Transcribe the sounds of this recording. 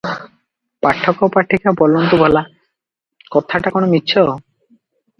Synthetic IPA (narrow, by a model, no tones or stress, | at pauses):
paʈʰːɔkopaʈʰːikapɔlont̪ubʱɔla | kɔt̪ʰaʈakonomitːɕʰo